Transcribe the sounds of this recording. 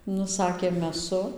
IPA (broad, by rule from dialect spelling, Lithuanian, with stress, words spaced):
ˈnʊ ˈsɑːkʲeː mʲɛˈsʊ